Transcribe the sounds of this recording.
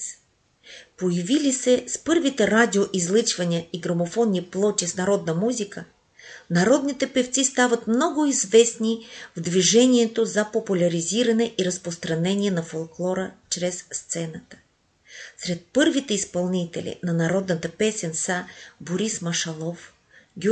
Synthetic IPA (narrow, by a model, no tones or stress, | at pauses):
pojɐvilisɛspɤɾvit̪ɛɾad̪ʲioʔizlˠɨt͡ʃvɐnʲiəiɡɾɐmofɔnːiplˠɔt̪ʲisnɐɾɔd̪nəmuzʲikə | nɐɾɔd̪nit̪ɛpɛft̪sist̪avɐt̪mnɔɡʊizvɛsnivd̪viʒɛnʲiɛt̪ozɐpopulʲɐɾiziɾɐnɛʔiɾɐspɾost̪ɾɐnɛnʲiɛnɐfolˠklˠɔɾət͡ʃɾɛsːt̪sɛnət̪ə̥ | sɾɛt̪̚pɤɾvit̪ɛispɐlˠnit̪ɛ̰lʲḭnɐnɐɾɔd̪nət̪əpɛsɛnsaboɾismɐʃɐlˠɔf | ɡʲ